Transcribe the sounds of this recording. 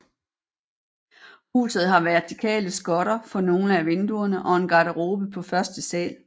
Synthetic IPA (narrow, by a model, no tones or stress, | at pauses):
hṵːsð̞̩ˠɦɑ̈ʋæɐt͡sʰikʰɛ̰ːləsɡ̥ɒ̽ɾɐfɒ̽no̝ːnəæʋe̝nd̥uɐnəʔɒ̽e̝nɡ̥ɑ̈ɾəʁo̝ːb̥əpʰɒ̽fɶɐsd̥əsɛ̰ːl